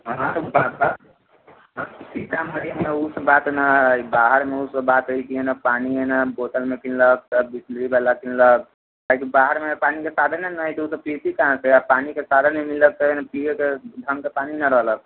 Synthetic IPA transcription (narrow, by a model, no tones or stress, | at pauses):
ɦãt̪baba | sikaməɾijəmneusəbat̪nəibaɦəɾmeusəbat̪ɦoikienəpanienəboʈəlmekillək̚t̪əbisdɾibalakillək̚ | kakibaɦəɾmepanikesad̪ʱənenəjt̪ɔut̪əpisikaãseapanikesad̪ʱənemilək̚t̪ənəpijked̪ʱəŋkepaninəɾəɦlək